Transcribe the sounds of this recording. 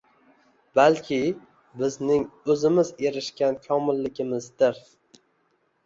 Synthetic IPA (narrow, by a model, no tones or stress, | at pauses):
balkʲʰɪ | bɪznɪŋɵzɪmɪzeɾɪʃkʲankʲʰɒmɪlːɪɡʲɪmɪzd̪ɪɾ